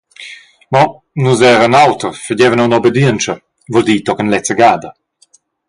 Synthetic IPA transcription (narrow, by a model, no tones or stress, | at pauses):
mɔ | nuzɛːʁənawtəʁfəɟɛvənawnɔbed̪iənt͡ʃə | vɔld̪iːtɔkənlɛt͡səɡaːdɐ